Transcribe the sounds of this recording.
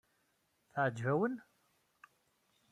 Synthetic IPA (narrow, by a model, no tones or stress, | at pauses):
θaʕd͡ʒvæwən